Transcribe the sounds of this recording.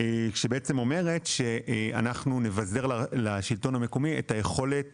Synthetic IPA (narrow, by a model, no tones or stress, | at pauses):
kʃebeet͡se̞mo̞me̞ʁe̞tʃe̞a̰naχnune̞vaze̞ʁlalaʃilto̞name̞ko̞miḛtaje̞χo̞le̞t